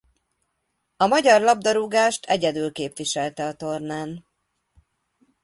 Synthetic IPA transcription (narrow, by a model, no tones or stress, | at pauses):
ɒmɒɟɒrlɒb̚d̪ɒɾuɡaːʃt̪ʰɛɟɛd̪ylkeːpʋiʃɛlt̪ɛɒt̪o̞rnaːn